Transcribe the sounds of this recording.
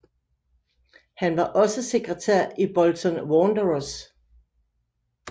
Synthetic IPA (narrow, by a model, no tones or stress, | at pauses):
hænʋɑ̈ʔɒ̽səse̝ɡ̥ʁət͡sʰæ̰ɐ̰ib̥ɒlt͡sʰɔnwɔːnd̥əʁos